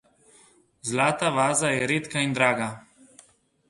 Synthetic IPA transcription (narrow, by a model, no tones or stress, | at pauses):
zlaːt̪aʋaːzajɛɾeːt̪kaind̪ɾaːɡa